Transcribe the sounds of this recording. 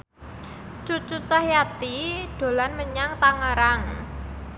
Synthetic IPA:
t͡ʃut͡ʃut̪ahjat̪iɖ̥o̤lanməɲaŋt̪aŋəɾaŋ

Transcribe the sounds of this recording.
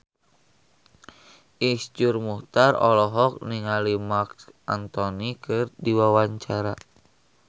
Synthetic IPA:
ʔisd͡ʒurmuht̪arɔ̰lɔɦɔk̚niŋalimaksʔant̪ɔnikɨrdiwawaɲt͡ʃaɾa

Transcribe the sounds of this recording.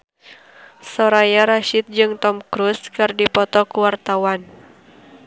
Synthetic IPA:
sɔɾajaɾaʃit̪̚d͡ʒɨŋt̪ɔmkɾuskɨrdipɔt̪ɔkuwart̪awan

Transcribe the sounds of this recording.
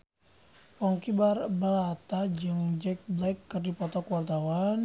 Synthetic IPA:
pɔŋkibarbəɾat̪ad͡ʒəŋd͡ʒɛk̚blɛkːərdipɔt̪ɔkuwart̪awan

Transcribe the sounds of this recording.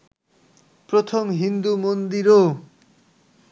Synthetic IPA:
pɾot̪ʰomɦind̪umond̪iɾo

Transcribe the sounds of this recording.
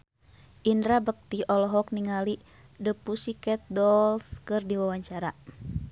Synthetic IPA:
ʔindɾabək̚t̪iɔlɔɦɔk̚niŋali | dəpusikɛt̪̚dɔlskɨrdiwawaɲt͡ʃaɾa

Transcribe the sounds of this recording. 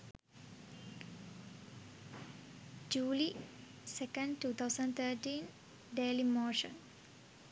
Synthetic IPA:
d͡ʒuːli | sekə̃ɳɖʈuːt̪ʰaʊsə̃ɳɖt̪ʰəːʈiːn | ɖeːlimoːʃə̰̃n

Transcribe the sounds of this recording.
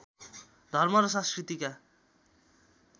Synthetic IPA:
d̪ʱʌrmʌɾʌsãskrit̪ika

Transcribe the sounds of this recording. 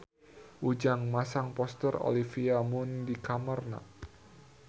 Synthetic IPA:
ʔud͡ʒaŋmasaŋpɔst̪əro̰lifiamʊndikamərna̰

